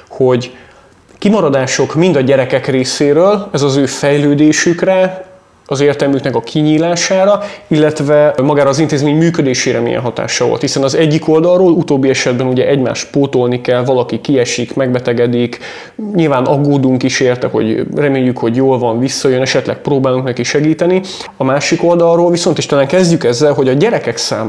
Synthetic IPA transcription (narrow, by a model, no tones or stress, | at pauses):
ho̞ɟ | kimɒɾɒd̪aːʃo̞kmind̪ɒɟɛɾɛkɛkreːseːɾøːlɛzɒzøːfɛjløːd̪eːʃykrɛ | ɒzeːrt̪ɛlmyknɛkɒkʰiɲiːlaːʃaːɾɒilːɛt̪vɛmɒɡaːɾɒːzint̪eːzmeːɲmyːkø̞d̪eːʃeːɾɛmḭjɛ̰nɦɒt̪a̰ːʃɒvo̰lt̪hisɛnɒzɛɟːiko̞ld̪ɒlroːlut̪oːbːiɛʃɛd̪bɛnuɟɛʔɛɟma̰ːʃt̪̚poːt̪olnikɛlvɒlɒkikiɛʃikmɛɡ̚bɛt̪ɛɡɛd̪ik | ɲilvaːnɒɡoːd̪uŋkiʃeːrt̪ɛho̞̰ɟrɛmeːjːykho̞ɟjoːlvɒɱvisːɒjønɛʃɛt̪lɛ̰k̚proːbaːluŋknɛkiʃɛɡiːt̪ɛni | ɒmaːʃiko̞ld̪ɒlroːlviso̞nt̪eːʃt̪ɛːlːɛŋkɛzɟykɛzːɛlɦo̞ɟɒɟɛɾɛkɛksa̰ːm